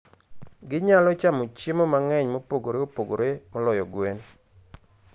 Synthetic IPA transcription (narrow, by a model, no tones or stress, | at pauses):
ɡɪɲalɔt͡ʃamot͡ʃimomaŋɛɲmopoɡoɾeopoɡoɾemɔlɔjɔɡwen